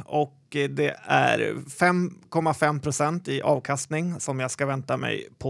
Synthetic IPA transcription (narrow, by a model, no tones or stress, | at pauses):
ɔkd̪ɛæ̰ɾfɛmːkʰɔmːafɛmːpʰɾʊsɛnt̪ɪʔɑ̰ːvkʰast̪nɪŋsɔmjɑɡskavɛnt̪amɛ̰jpʰɔ